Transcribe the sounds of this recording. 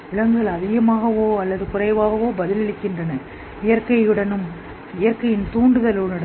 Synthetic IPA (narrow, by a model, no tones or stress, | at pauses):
ɪɭɐŋɡɐɭɐðɪɣɐmaːɣɐʋoːɐlːɐðɯkʊrɐɪʋaːɣɐʋoːbɐðɪlɐɭɪkːɪndrɐnɐ | ɪjɐɾkɐɪjɯɽɐnɯm | ɪjɐɾkɐjɪnt̪uːɳɖɯðɐlɯɽɯɽɐ